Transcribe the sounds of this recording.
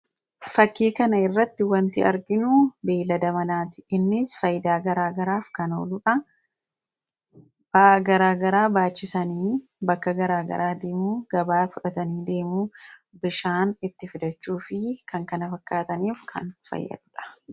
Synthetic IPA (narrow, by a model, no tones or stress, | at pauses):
fɐkːiːkɐnɐɪrːɐt̪ːɪwɐnt̪ɪɐɾɡɪnubeːlɐd̪ɐmɐnaːt̪ɪ̥ɪnːɪsfɐjɪd̪aːɡɐɾaːɡɐɾaːfkɐno̰ːlʊᶑɐ | b̥ɐʔɡɐɾaːɡɐɾaːbaːt͡ʃːɪsɐniː | bɐkːɐɡɐɾaːɡɐ̰ɾaːd̪e̞ːmuːɡ̥ɐbaːfʊᶑɐt̪ɐniːd̪e̞ːmuːbɪʃaːnɪt̪ːɪfɪd̪ɐt͡ʃːuːfɪkʰɐŋkɐnɐfɐkːaːt̪ɐniːfkʰɐ̰nfɐ̰jːɐ̰ᶑ̪ʊᶑɐ̥